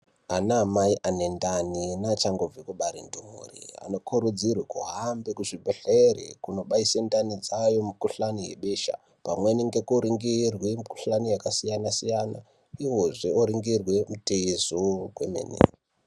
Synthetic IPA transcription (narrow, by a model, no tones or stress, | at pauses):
anaːmaiʔanendaninat͡ʃaŋɡo̞b͡vekuɓaɾindumṵrḭa̰no̞kʰuɾud͡zirwekuɦambekuʐibʱeɬerḛkuno̞ɓaisendanid͡zajomikuɬanijḛɓeːʃa̰ | pamweniŋɡekoɾiŋɡirwemiku̥ɬanijakasijanasijana | iwoʐeoɾiŋɡirwemuteisokwemḛːnḛ